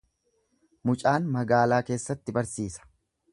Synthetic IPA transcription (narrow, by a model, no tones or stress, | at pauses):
mʊt͡ʃʼaːnmɐɡaːlaːke̞ːsːɐt̪ːɪbɐɾsiːsɐ̥